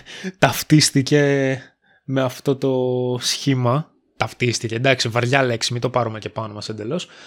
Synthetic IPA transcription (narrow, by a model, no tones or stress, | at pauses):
t̪ɐft̪ist̪ice̞ | me̞ɐft̪o̞t̪o̞sçimɐ | t̪ɐft̪ist̪ice̞d̪ɐksivɐɾʝɐle̞ksimit̪o̞pɐɾumece̞pɐnomɐsend̪e̞lo̞s